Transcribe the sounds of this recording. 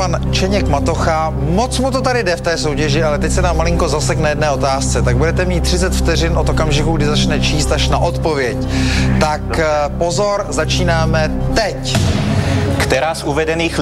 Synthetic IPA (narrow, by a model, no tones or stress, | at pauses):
an | t͡ʃɛɲɛkmat̪oxa | mot͡smut̪o̞t̪adɪdɛft̪ɛːso̞wcɛʒɪʔalɛt̪ɛcsɛnaːmːalɪŋko̞zasɛknajɛdnɛːo̞t̪aːst͡sɛt̪aɡ̚budɛt̪ɛmiːt̪ːr̝ɪt͡sɛt̪ft̪ɛrɪnʔot̪okamʒɪkuɡdɪzat͡ʃnɛt͡ʃiːst̪aʃnaʔo̞t̪povjɛct̪akpo̞zo̞ɾzat͡ʃiːnaːmɛt̪ɛc | kt̪ɛɾaːsʔuvɛdɛniːx